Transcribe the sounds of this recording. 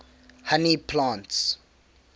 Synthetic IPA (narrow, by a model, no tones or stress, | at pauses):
hanipʰlãːnts